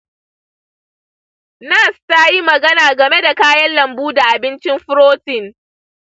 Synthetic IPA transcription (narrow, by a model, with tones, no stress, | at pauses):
naː˦˨staː˦ji˦mɐ˨ɡɐ˦naː˨ɡɐ˨me˦da˨kaː˦jɐ˦nlɐ˨mbuː˦da˨ʔa˨bɪ˦nt͡ʃɪ˦mɸʊ˦ɾoː˦tɪ˨ŋ